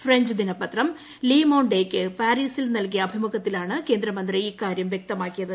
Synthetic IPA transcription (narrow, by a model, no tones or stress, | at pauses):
freɲd͡ʑɨd̪inɐpɐt̪rɐm | liːmɐwɳɖeːkːɨpaːɾiːsilnɐlk̬ijɐːbʱimuɣɐt̪ːilaːɳɨke̞ːnd̪ɾɐmɐnd̪riiːkːaːɾjɐmʋjek̚t̪ɐmaːkːijɐðɨ